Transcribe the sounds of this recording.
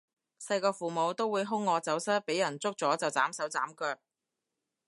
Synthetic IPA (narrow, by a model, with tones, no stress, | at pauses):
sɐ˧jkɔː˧fuː˨mo˨˧wt̪o˥wːuː˨˧jɦʊ˥ŋːɔː˨˧t͡sɐ˨˥wsɐ˥t̚pe˨˥jːɐ˨˩nt͡sʊ˥k̚t͡sɔː˨˥t͡sɐ˨wt͡saː˨˥msɐ˨˥wt͡saː˨˥mkœː˧k̚